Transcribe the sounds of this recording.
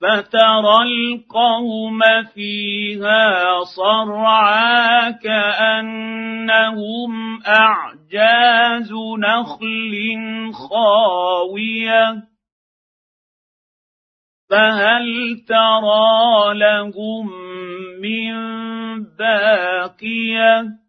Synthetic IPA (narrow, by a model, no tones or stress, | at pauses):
fat̪ɑɾˤɑlqɑwʊmfiːhaːsˤɑɾˤʕaːkaʔanːahʊmʔaʕd͡ʒaːzʊnaxlɪnxɑːwɪja | faɦalt̪ɑɾˤɑːlahʊmː | ɪmbaːqɪja